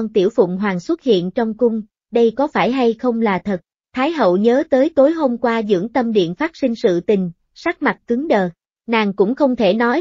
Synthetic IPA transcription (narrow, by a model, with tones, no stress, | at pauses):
ɔ˧nt̪i˧˩əwfʊ̰˧˨ŋ͡mɦwaː˨˩ŋswə˦˥t̚hḭ˧˨ənt͡ɕɔ˧wŋ͡mkʊ˧ŋ͡m | ɗə˧jkɔ˨˦faː˧˩jɦa˧jxə˧wŋ͡mlaː˨˩t̪ʰə˨˩t̚ | t̪ʰaː˨˦jɦə̰˧˨wɲəː˨˦t̪əː˨˦jt̪o˨˦jɦo˧mkwaː˧zɨ̰˧˥əŋt̪ə˧mɗḭ˧˨ənfaː˦˥t̚sï˧ŋ̟sɨ̰˧˨t̪ï˨˩ŋ̟ | sa˦˥k̚ma˨˩t̚kɨ˨˦əŋɗəː˨˩ | naː˨˩ŋkʊ̰˧˥ŋ͡mxə˧wŋ͡mt̪ʰe˧˩nɔ˨˦j